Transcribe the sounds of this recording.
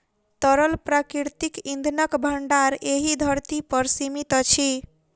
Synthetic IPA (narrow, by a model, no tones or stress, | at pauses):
t̪əɾəlpɾakɾiɾt̪ikĩnd̪ʱnəkbʱəɳɖaɾeɦid̪ʱəɾt̪ipəɾsimit̪t͡ʃʰi